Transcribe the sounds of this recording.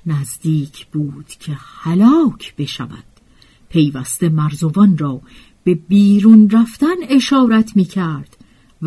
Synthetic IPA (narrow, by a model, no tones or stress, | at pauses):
næzd̪iːcʰb̥uːd̪̥cʰehælɒːcʰb̥e̞ʃæ̰væ̰d̪̥ | pʰe̞jvæst̪e̞mæɾzovɒnrɒː | b̥e̞biːɾuːnɾæft̪æne̞ʃɒːɾæt̪ʰmiːcʰæɾd̪̥ | v